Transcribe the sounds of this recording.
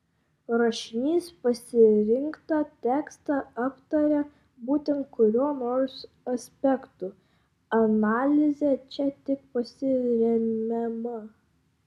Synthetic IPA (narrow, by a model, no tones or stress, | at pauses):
ɾɐʃʲɪnʲiːspɐsʲɪɾʲɪŋkt̪ɑt̪ʲæːkst̪ɑɑpt̪ɐɾʲɛ | buːt̪ʲɛnt̪̚kʊɾʲuɔnoːɾs | ɐsʲpʲɛkt̪u | ɐnɑːlʲɪzʲɛt͡ʃʲɛt̪ʲɪk̚pɐsʲɪɾʲɛmʲɛmɐ